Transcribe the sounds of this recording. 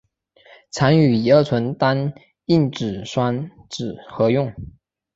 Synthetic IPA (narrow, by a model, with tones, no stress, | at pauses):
t͡sʰa˧˥ny˨˩i˨˩ə˞˥˩t͡sʰwə˧˥nt̪a˥n | i˥˩nʈ͡ʂɻ̩˨˩ʂwa˥nʈ͡ʂɻ̩˨˩xɤ˧˥jʊ˥˩ŋ